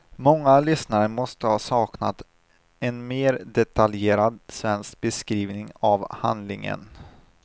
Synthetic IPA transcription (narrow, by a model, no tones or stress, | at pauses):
mɔŋːalʏsnaɾəmɔst̪əhɑːsɑːkna̰t̪ | ɛnmeːɾd̪ɛt̪ʰaljeːɾad̪svɛnsk̚bɛskɾiːvnɪŋavha̰nd̪lɪŋə̰n